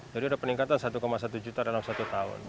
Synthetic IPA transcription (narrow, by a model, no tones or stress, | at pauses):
d͡ʒadiudapəniŋkat̪ansat̪ukɔmasat̪ud͡ʒut̪adalamsat̪ut̪aʊ̰n